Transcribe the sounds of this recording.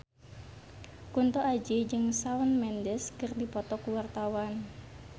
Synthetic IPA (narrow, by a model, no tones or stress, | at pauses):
kunt̪ɔʔad͡ʒed͡ʒɨŋsawənmɛndɛskɨrdipɔt̪ɔkuwart̪awan